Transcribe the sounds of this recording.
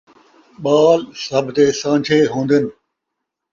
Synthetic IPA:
ɓaːlsɐbʱt̪eːsãːd͡ʒʰʱeːɦõːnd̪ɪnɪ̆

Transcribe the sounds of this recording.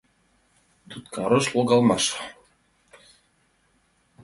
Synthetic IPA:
d̪ut̪̚kɑɾoʃlˠoɡɑlˠmɑʃ

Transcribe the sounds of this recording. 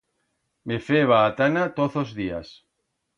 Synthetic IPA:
mefeβaːt̪anat̪oθozðia̰s

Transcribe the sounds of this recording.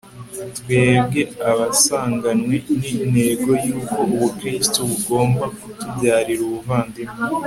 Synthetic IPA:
twe̞ːbɡe̞aβasaːŋɡanwenineɡo̞juːko̞uβukɾistoβuɡo̞ːmbakutubɟaːɾiɾuβuvaːndime

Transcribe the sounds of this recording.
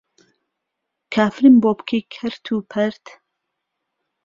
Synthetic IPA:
kʰaːfɾimboːbkʰeːkʰɐɾt̪ʰuːpʰɐɾt̪

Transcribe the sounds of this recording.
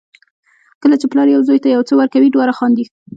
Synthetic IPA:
kəlat͡ʃeplɑɾjawzojt̪ajawt͡səwaɾkawiɖwɑɾaxɑnd̪i

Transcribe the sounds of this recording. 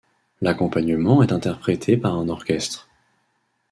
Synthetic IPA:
lakɔ̃paɲəmɑ̃ɛt̪ɛ̃t̪ɛʁpχet̪ʰepaʁɛ̃nɔʁkʲɛst̪χ

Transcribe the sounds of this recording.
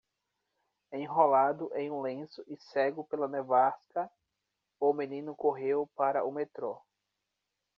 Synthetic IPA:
ẽj̃ɦolad̪ʊʔẽj̃ũlẽsʊʔɪsɛɡʊpelɐnevaskɐ | ʊmẽnĩnʊkoɦewpaɾɐ̰ʊmet̪ɾo

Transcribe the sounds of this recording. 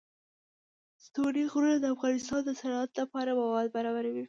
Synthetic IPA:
st̪oɽiɣɾunad̪əafɣɑnɪst̪ɑnd̪əsaɽat̪lapɑɾamawɑd̪̚baɾɑbaɾawi

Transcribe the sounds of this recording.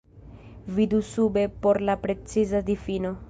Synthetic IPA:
vidusube̞po̞ɾlapɾe̞t͡sizadifino̞

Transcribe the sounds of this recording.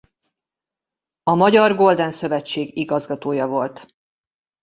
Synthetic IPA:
ɒmɒɟɒrɡo̞ld̪ɛnsø̞vɛt͡ʃːeːɡiɡɒzɡɒt̪oːjɒvo̞lt̪

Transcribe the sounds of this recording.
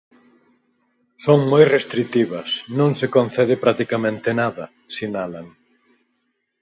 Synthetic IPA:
soŋmojrest̪ɾit̪iβɐsnõŋsekonθɛðɪpɾat̪ikamẽnt̪ɪnaðɐ | sinalaŋ

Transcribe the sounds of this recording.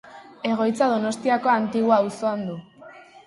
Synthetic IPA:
e̞ɣ̞o̞jt͡sað̞o̞no̞st̪iako̞ant̪iɣuawso̞and̪u

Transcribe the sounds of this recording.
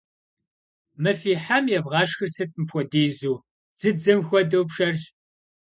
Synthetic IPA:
mɨfiːħamjɛvʁɑːʃxɨrsɨtʼmɨpʰʷɔdeːzuː | d͡z̥ɨd͡zɨmxʷɔdɐwpʂɐrɕʼ

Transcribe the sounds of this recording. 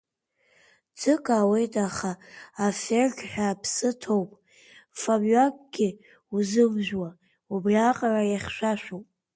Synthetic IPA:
d͡zɨkʼaːwe̞jtʼaχaːferɡʲħʷᶣapʰsɨtʰo̞wpʼ | fabɥakʼɡ̥ʲɪ | uzɨmʒᶣwa | ubrʲaqʼarajaχʲʃʷᶣaʃᶣowpʼ

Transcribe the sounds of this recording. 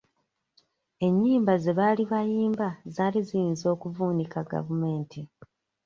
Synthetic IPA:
e̞ɲːiːmbaze̞βaːliβajiːmbazaːlizijinzo̞ːkuvuːnikaɡa̰vume̞ːnti

